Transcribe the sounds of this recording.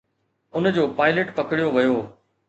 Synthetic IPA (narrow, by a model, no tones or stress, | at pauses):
ʊnd͡ʑoːpaːɪləʈpɐkɪɽijoʋɐjoː